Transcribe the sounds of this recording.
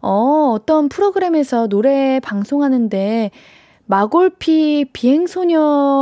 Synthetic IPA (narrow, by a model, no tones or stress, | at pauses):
ʌʌt͈ʌnpʰɯɾoɡɯɾe̞me̞sʰʌnoɾe̞paŋsʰoŋɦanɯnde̞ | maɡoɭpʰipiɦe̞ŋsʰoɲʌ